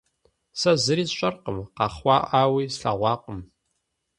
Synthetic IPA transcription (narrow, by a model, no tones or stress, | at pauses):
sɐzɨɾiːzɕʷʼɐrqəmqɑχʷɑːʔaːwiːsɬa̰ʁʷɑːqʼəm